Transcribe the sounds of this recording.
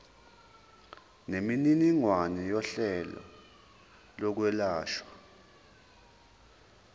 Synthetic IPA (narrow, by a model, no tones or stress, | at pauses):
nemininiŋwanɛjɔɬɛlɔ̰ | lɔk̬wɛlaːʃwa